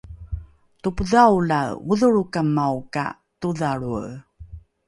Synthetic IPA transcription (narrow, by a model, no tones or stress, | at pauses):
tupəðawlaṵðuɭukamːawka̰ | tuðaɭuə